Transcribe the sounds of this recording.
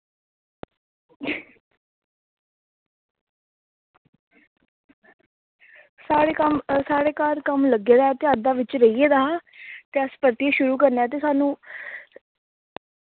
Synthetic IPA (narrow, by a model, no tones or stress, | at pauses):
saːɾeːkəmsaːɽeːkaːɾkəmləɡeːd̪aːɛːt̪ead̪aːʋɪt͡ʃɾəieːd̪aːt̪eːəspəɾt̪ieʃʊɾuːkəɾneɛːt̪̬eːsaːnũː